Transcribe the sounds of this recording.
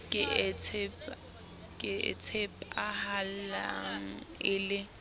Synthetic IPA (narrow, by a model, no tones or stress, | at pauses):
kʼɪt͡sʰɛp | kʼɪ̰t͡sʰepahallaŋ̩ɪːlɪ